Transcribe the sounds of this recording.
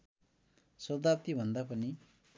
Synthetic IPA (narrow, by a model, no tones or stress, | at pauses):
sʌd̪ap̚t̪ibʱʌnd̪apʌni